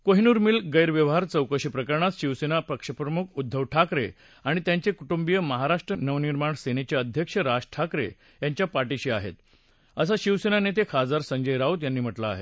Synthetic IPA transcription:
koɦinuːɾmiːlɡəjɾʋjəʋɦaɾt͡səwkəɕipɾəkəɾɳat̪ɕiʋsenapəkʂəpɾəmukʰud̪ʱːəʋʈʰakɾe | aɽ̃it̪jaɲt͡sekuʈumbijəməɦaɾaʂʈɾənəʋniɾmaɳsenet͡ɕaəd̪ʱjəkʂəɾad͡ʑʈʰakɾḛ | jaɲt͡ɕjapaʈiɕiːaɦḛt̪ | əs̬aɕiʋsenanet̪ekʰad͡zaɾsəɲd͡ʑəjɾaut̪janːiːm̤əʈla̰ːɦḛt̪

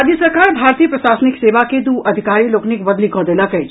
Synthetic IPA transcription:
ad̪jəsɐɾkaːɾbʱaːɾt̪iːjəpɾɐʃaːsənɪkseːʋaked̪uːɐd̪ʱɪkaːɾiloːknikbɐd̪likɔːd̪elakɐi

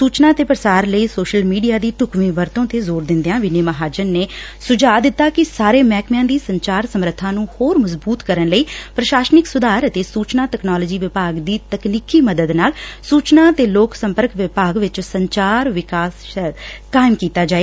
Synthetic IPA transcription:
suːt͡ʃnaːt̪eːpɾəsaːɾləiːsoːʃəlmiːɖijaːd̪iːʈʊkmĩːʋəɾt̪õːt̪eːzoːɾd̪ɪ̃nd̪eãːʋɪneːməɦaːd͡ʒənːeːsʊd͡ʒaːd̪ɪt̪ːaːkɪsaːɾeːmɛːkmɪjãːd̪iːsəɲt͡ʃaːɾsəmɾət̪ʰːãːnũːhoːɾməzbuːt̪kəɾənləiːpɾəʃaːsnɪksʊd̪aːɾət̪eːsuːt͡ʃnaːt̪ɛːknɔːlɔːd͡ʒiːʋɪpaːɡd̪iːt̪əkniːkiːməd̪əd̪naːlsuːt͡ʃnaːt̪eːloːksə̃mpəɾkʋɪpaːɡʋɪt͡ʃsəɲt͡ʃaːɾʋɪkaːs | kaːɪmkiːt̪aːd͡ʒaːeː

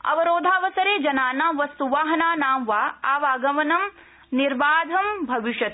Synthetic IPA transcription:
ɐ̰ʋɐɾoːd̪ʱaːʋɐsɐɾeːd͡ʒɐnaːnaːʋɐst̪uʋaːɦɐnaːnaːmʋaːaːʋaːɡɐʋɐnɐm | niɾbaːd̪ʱɐmbʱɐʋiʃɐt̪̚

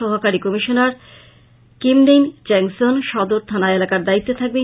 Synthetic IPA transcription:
ɔɦokaɾikɔmiʃonaɾ | kimɖejnt͡ɕɛŋsonʃɔd̪oɾt̪ʰanaelakaɾd̪ait̪ːot̪ʰak̚be

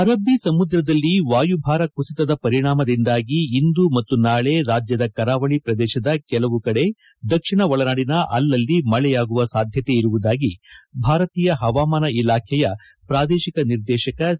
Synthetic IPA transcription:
ɐɾɐbʱːisɐmud̪ɾɐd̪ɐlːiʋaːjubʱaːɾɐkusit̪ɐd̪ɐpɐɾiɳaːmɐd̪ind̪aːɡiːnd̪umɐt̪ːunaːɭe̞ɾaːd͡ʒjɐd̪ɐkɐɾaːʋɐɭipɾɐd̪ɛːʃɐd̪ɐkɛlɐʋukɐɽe̞ | d̪ɐkʂiɳɐʋɐɭɐnaːɽinɐʔɐlːɐlːimɐɭɛjaːɡuʋɐsaːd̪ʱjɐt̪e̞iɾuʋud̪aːɡibʱaːɾɐt̪iːjɐɦɐʋaːmaːnɐilaːkʰɛjɐ | pɾaːd̪ɛːʃikɐniɾd̪ɛːʃɐkɐ

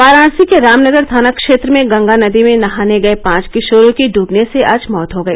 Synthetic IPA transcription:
paːɾãːɽsikeɾaːmnəɡəɾd̪ʱaːnakʃeːt̪ɾəmẽɡɐ̃ŋɡanɐd̪imẽnɐɦaːneɡɐepãːt͡ʃkɪʃoːɾõkiɖʱuːbneseʔaːd͡ʒmɔːt̪ɦoɡɐeː

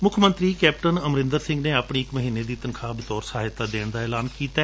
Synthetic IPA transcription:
mʊkʰmə̃nt̪ɾiːkɛːpʈənəmɾɪ̃nd̪əɾsɪ̃ŋɡneːaːpɳ̃iːɪkməɦiːned̪iːt̪ənkʰaːbɪt̪ɔːɾsaːɦɪt̪aːd̪eːɳ̃d̪aːɛːlaːnkiːt̪a

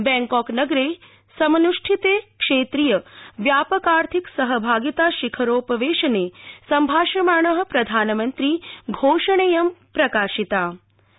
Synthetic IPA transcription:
bɛ̃ːŋkɔːknɐɡɾeː | sɐmɐnuʂʈʰit̪eːkʂeːt̪ɾijəʋjaːpəkaːɾt̪ʰiksɐɦəbʱaːɡit̪aːʃikʰɐɾoːpɐʋeːʃɐneːsɐmbʱaːʃɐmaːɳɐɦɐ̆pɾɐd̪ʱaːnmɐnt̪ɾiːɡʱoːʃɐɳ̃ejɐmpɾɐkaːʃit̪aː

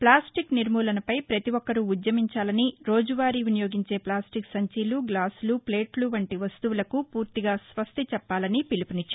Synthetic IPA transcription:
plaːsʈikniɾmuːlɐnɐpɐjpɾɐt̪iʋɔkːɐɾuːd̪jɐmiɲt͡ʃaːlɐniɾo̞ːd͡ʒuʋaːɾiʋunijo̞ːɡiɲt͡ʃe̞ːplaːsʈiksɐɲt͡ʃiːluɡlaːsluple̞ːʈluʋɐɳʈiʋɐst̪uʋulɐkupuːɾt̪iɡaːsʋɐst̪it͡ʃɛpːaːlɐnipilipunit͡ʃːa

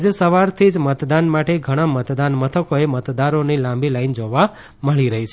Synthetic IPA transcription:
d͡ʒesəʋaɾt̪ʰid͡ʒmət̪d̪anmaʈeɡʱəɽ̃amət̪d̪anmət̪ʰəkoemət̪d̪aɾonilãmbʱilaind͡ʒoʋa | məɭiɾəɦit͡ʃʰ

